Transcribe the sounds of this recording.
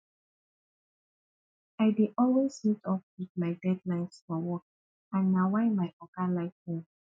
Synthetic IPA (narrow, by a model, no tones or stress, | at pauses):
ajdeʔɔlwesitɔp̚wiðmaɪdɛdlãɪ̃nsfɔwɔk̚ | ãnːawaɪmajʔɔkalaɪfõ